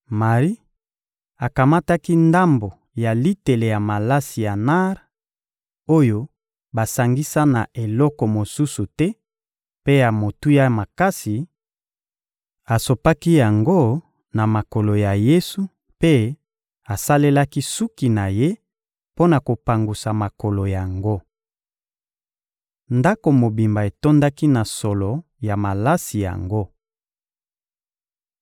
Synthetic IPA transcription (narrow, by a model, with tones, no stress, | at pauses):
ma˨ʁi˦ | a˨ka˨ma˦ta˦ki˦nda˦mbo˨ | ja˨li˦te˨le˨ja˨ma˨la˦si˨ja˨na˦ʁ | o˦jo˦ | ba˨sa˨ŋɡi˦sa˦na˨ʔe˨lɔ˦kɔ˨mo˨su˦su˨tɛ˦ | pe˦ja˨mo˨tu˦ja˦ma˨ka˦si˨ | a˨so˨pa˦ki˦ja˨ŋɡo˦ | na˨ma˨ko˨lo˨ja˨je˦su˦ | pe˦ | a˨sa˦le˦la˦ki˦su˦ki˨na˨je˦ | po˦na˨ko˨pa˨ŋɡu˨sa˨ma˨ko˨lo˨ja˨ŋɡo˦ | nda˦ko˨mo˨bi˨mba˨e˨to˦nda˦ki˦na˨sɔ˨lɔ˨ | ja˨ma˨la˦si˨ja̰˨ŋɡo˦